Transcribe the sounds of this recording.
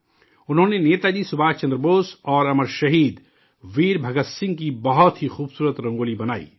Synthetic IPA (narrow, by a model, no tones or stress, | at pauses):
ʊnɦõːneneːt̪ad͡ʒisʊbʱaːt͡ʃɐ̃nd̪ɾəboːsɔːɾɐməɾʃɐɦiːd̪ | ʋiːɾbʱɐɡət̪sɪ̃ŋɡ̚kibɐɦɔt̪ɦixuːbsuːɾət̪ɾɐ̃ŋɡoːlibɐnaːḭː